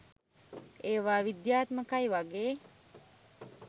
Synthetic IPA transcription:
eːʋaːʋid̪jaːt̪məkajʋaɡeː

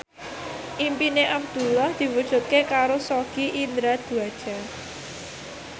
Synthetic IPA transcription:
ʔimpineʔabd̪̥ṳlːahd̪̥i̤wud̥ʒ̥ṳt̪̚kekaɾosoɡ̥iʔind̪ɾad̪̥ṳad̥ʒ̥a̤

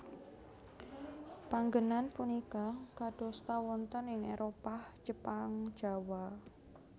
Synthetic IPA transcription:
paŋɡənanpunikakaɖ̥o̤st̪awɔnt̪ɔnɪŋeɾopahd͡ʒəpaŋ̥d͡ʒ̥a̤wa

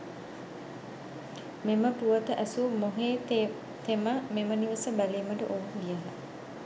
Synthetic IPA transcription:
meməpuʋət̪əʔæsumoɦeː | t̪eməmeməniʋəsəbæliːməʈə̰ʔoːuŋɡijaɦa

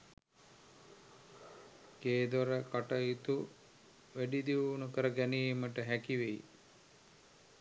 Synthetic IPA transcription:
keːd̪oɾɐkɐʈɐjit̪u | ʋeɖid̪iunukɐɾɐɡɛnimɐʈɐɦɛkiʋej̰

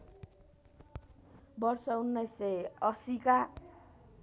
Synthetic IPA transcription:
bʌrsʌunːʌjsʌjʌsika

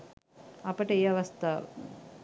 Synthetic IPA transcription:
ɐpəʈəejɐʋɐst̪aːʋə̰

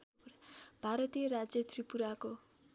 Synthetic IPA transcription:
b̥ʱaɾʌt̪ijʌɾad͡zjʌt̪ripuɾako

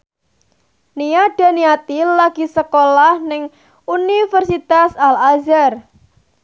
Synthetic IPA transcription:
nijaɖ̥a̤niat̪ilaɡ̥i̤səkolahnɪŋ | unifərsit̪asalazar

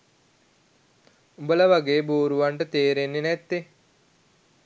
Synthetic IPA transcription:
ubələʋaɡeːbuːɾuʋaɳʈət̪eːɾenːenɛt̪ːe

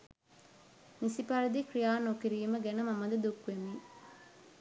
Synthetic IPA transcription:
nisipɐɾɐd̪ikɾijaːnokiɾiːməɡænəmɐmɐd̪ɐd̪ukʋemi

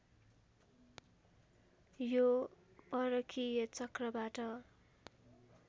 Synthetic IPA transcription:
jobʌɾʌkʰijʌt͡sʌkrʌbaʈʌ

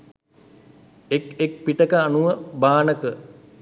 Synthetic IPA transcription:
ekek̚piʈəkəanuʋəbaːnəkə

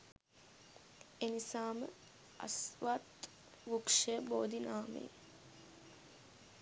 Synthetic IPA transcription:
enisaːmə | a̰sʋat̪ | ʋukʂeəboːd̪inaːmḛj

